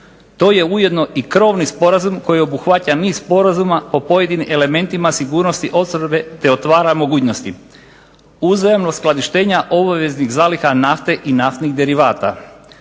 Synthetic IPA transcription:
t̪o̞ːje̞uje̞d̪no̞ʔikɾo̞ʋnispo̞ɾazumko̞jio̞buxʋataniːsspo̞ɾazumapo̞po̞je̞d̪inimʔe̞le̞me̞nt̪imasiɡuːɾno̞st̪iʔo̞t̪sobe̞t̪e̞o̞t̪ʋaːɾamo̞ɡuːt͡ɕno̞st̪i | uzajemnosklˠad̪iʃt̪e̞ːɲaʔo̞baʋe̞zniɣzaːlixanaft̪e̞ʔinaft̪niɣd̪e̞ɾiʋaːt̪a̰

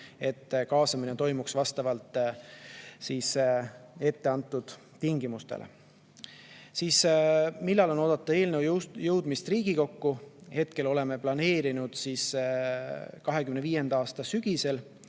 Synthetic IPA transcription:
e̞t̪ːkɑːsɑminet̪o̞jmuksvɑst̪ɑvɑlt̪ːˑ | siːs | e̞t̪ːeɑnt̪ːˑud̪̥ | t̪iŋɡimust̪ḛlʔḛ | siːsmilːɑlo̞no̞d̪̥ɑt̪ːˑu̥e̞ːlnewjɤwd̪̥mist̪riːɡ̥iko̞kːuhe̞t̪ke̞lo̞le̞me̞plɑne̞ːɾinud̪̥siːs | kɑɦe̞kymneviːje̞nd̪ɑɑːst̪ɑsyɡ̥ise̞l

